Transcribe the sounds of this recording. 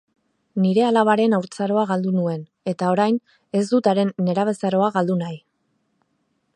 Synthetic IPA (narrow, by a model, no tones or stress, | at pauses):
niɾe̞alaβaɾe̞nawɾt͡saɾo̞aɣ̞ald̪unue̞n | e̞t̪ao̞ɾajn | e̞zd̪ut̪aɾe̞nːe̞ɾaβ̞e̞saɾo̞aɣald̪unaj